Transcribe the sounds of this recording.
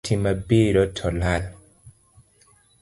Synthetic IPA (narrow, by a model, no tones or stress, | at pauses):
tʰimabiɾɔtʰɔlal